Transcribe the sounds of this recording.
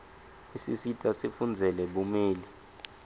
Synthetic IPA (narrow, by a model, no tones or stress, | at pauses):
isisitʼasifund͡zʱɛlɛɓumeːli